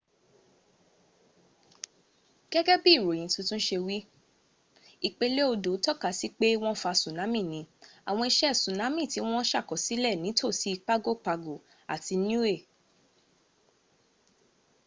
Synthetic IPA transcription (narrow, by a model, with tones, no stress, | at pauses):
ɡ̥ɛ˦ɡɛ˦bi˦˨ɾo˨j̃ĩ˨˦tũ˨˦tũ˦ʃe˧wi˦ | i˨k͡pe˧le˦o˧do˨˦tɔ˦˨ka˨si˦k͡pe˦w̃ɔ̃˦fa˧sũ˨nã˨˦mĩ˦˨nĩ˧˦a˨w̃ɔ̃˧i˧ʃɛ˦˨sũ˨nã˨˦mĩ˦˨ti˨˦w̃ɔ̃˦ʃa˦˨kɔ˨si˨˦lɛ˦˨nĩ˨˦tʰo˦˨si˨˦i˧k͡pa˦ɡo˦˨k͡pa˧ɡo˨ | a̰˨ti˧n˦ũ˦e˦˨